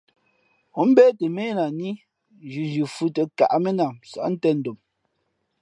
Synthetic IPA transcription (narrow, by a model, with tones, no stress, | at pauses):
o˦m̩˦bɛː˦te˨me˦na˨ni˦ | d͡ʒʉ˨d͡ʒʉ˨fu˦te˨ka̰˨ʔme˦na˨msa̰˨ʔn̩˦tɛ˦˨n̩˨do˨m